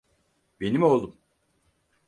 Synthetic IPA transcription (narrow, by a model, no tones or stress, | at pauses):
be̞nimo̞lˠum